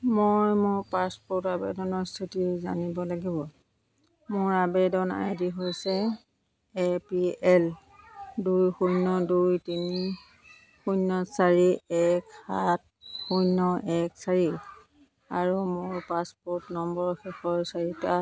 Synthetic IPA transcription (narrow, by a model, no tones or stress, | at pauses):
mojmʊɹpaspɔɹtabɛ̰dɔnɔɹstʰitiza̰nibɔlaɡibɔ | mʊɹabɛdɔna̰jdiɦojsɛ | ɛpiɛl | dujxujnːɔdujtini | xujnːɔsaɹiɛkhat̚ | xujnːɔɛksaɹi | a̰ɹumʊɹpaspɔtnɔmbɔɹɔxɛxɔɹsaɹita